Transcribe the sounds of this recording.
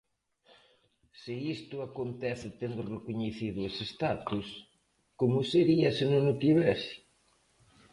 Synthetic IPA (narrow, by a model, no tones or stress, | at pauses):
sɪist̪ʊakont̪ɛθɪt̪end̪ʊrekoɲeθiðʊesest̪at̪us | komʊseɾiɐsɪnʊnʊt̪iβɛsɪ̥